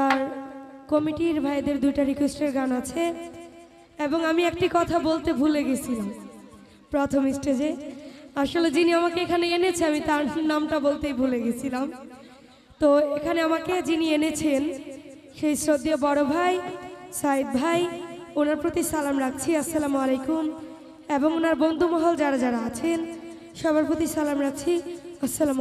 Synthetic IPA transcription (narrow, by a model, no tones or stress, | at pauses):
t̪aɾkɔmiʈiɾbʱaed̪eɾd̪ujʈaɾikesʈeɾɡanat͡ɕʰe | eboŋamiek̚ʈikɔt̪ʰabolt̪ebʱuleɡet͡ɕʰilam | pɾɔt̪ʰomisʈed͡ʑeaʃoled͡ʑiniamakeekʰaneenet͡ɕʰeamit̪aɾnamʈabolt̪ejbʱuleɡet͡ɕʰilam | t̪oekʰaneamaked͡ʑinienet͡ɕʰen | ʃejsɾod̪ijobɔɽobʱajsaid̪̚bʱajonaɾpɾot̪isalamɾak̚t͡ɕʰiasːalamalejkum | eboŋonaɾbond̪ʱumɔɦold͡ʑaɾad͡ʑaɾaat͡ɕʰen | ʃɔbʱaɾpot̪isalamɾak̚t͡ɕʰiasːalam